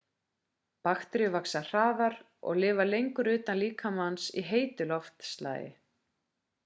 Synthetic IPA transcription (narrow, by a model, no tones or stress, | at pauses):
paxt̪ɾɪvaksar̥aːvaɾ | ɔ̰ɣlɪːvalejŋkʏɾʏːt̪anliːkʰamansḭɦeːjt̪ʏlɔft̪st̪la̰ːjɪ̰